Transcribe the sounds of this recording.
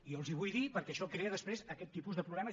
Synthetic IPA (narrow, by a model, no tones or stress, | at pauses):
iolˠziβujðipəɾkɛəʃɔkɾeəðəspɾezəkɛt̪ːipuzðəpɾuβlɛmə